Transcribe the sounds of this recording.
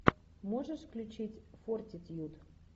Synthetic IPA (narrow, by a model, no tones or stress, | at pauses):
moʐəʂklʲut͡ɕitʲfortʲɪt̪ʲjut̪